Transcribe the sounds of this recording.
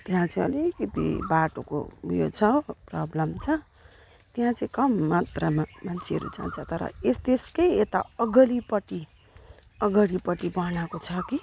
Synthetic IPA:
t̪jɦãt͡sʌ̃ĩʌ̰lekʌt̪ḭbaʈo̰ko̰jo̰t͡sʰʌprʌblʌmt͡sʰʌ | t̪eɦãt͡sʌĩkʌmːat̪rʌmmant͡sʰeɦʌ̰ɾṵd͡za̰nt͡sʰʌt̪ʌɾʌ̰est̪eskʌjet̪aʌɡʌlipʌʈi | ʌɡʌɽipʌʈibʌnakot͡sʰʌki

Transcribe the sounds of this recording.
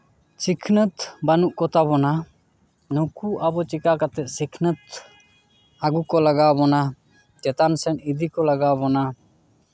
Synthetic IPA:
t͡ʃikʰnət̪banuʔkɔt̪abɔna | nɔkuʔabɔt͡ʃikakat̪ɛʔ̚sikʰnət̪ | aɡukɔləɡawbɔna | t͡ʃɛt̪ansɛnid̪ʱikɔləɡawbɔna

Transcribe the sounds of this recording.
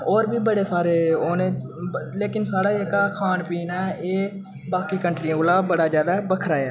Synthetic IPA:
oːɾbʱiːbəɽeːsaːɾeːoːneː | leːkɪnsaːɽaːeːkaːkʰaːnpiːnaːeː | baːkiːkəɳʈɾiãːolaːbəɽaːzjaːd̪aːbəkʰɾaːjaː

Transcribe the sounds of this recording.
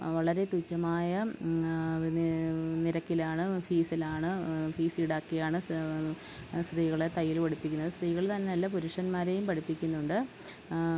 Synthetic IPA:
ʋɐɭɐɾe̞t̪ut͡ɕːɐmaːjɐ | niɾɐkːilaːɳɨfiːsilaːɳɨfiːsiɽaːkːijaːɳɨ | sriːɣɐɭet̪ɐjːiloɽipːikʲːunːɐðɨsriːɣɐɭt̪ɐnːenɐlːɐp̬uɾuʂɐnmaːɾe̞jumpɐɽipːikʲːunːuɳɖɨ

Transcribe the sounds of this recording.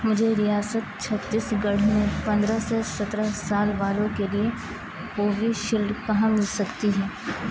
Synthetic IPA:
mʊd͡ʒʱeɾijaːsət̪̚t͡ʃʰɐt̪ːisɡɐɽ̤mẽpɐ̃nd̪ɾasesɐt̪ɾəsaːlʋaːlõkelie | oːʋʱiʃɪld̪kɐɦãmɪlsɐkt̪iɦɛː

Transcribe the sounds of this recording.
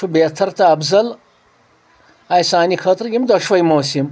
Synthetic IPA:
ubeːt̪ʰɐɾt̪ɐɐbzɐl | ajsaːnixʰɐt̪ɾɡimd̪ɐʂʋɐjmoːsim

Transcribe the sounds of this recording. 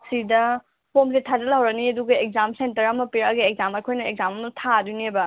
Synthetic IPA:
sidɐ | pʰomsetʰazɐlɦɐwɾɐniɐduɡɐek̚zamsentɐɾɐmɐpiɾɐɡieɡ̚zamɐjkʰojnɐek̚zamɐmɐtʰadunebɐ

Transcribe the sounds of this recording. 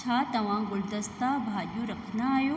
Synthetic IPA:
t͡ʃʰaːt̪ɐʋãːɡʊld̪ɐst̪aːbʱaːdjuːɾɐkʰnaajoː

